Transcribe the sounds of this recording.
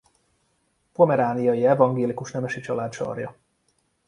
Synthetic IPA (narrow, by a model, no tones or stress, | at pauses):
pomɛɾaːnijɒjiɛvɒŋɡeːlikuʃnɛmɛʃit͡ʃɒlaːt̪ʃɒ̰rjɒ